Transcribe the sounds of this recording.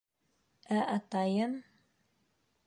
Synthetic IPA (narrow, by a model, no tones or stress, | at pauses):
æʔɑt̪ɑjɤn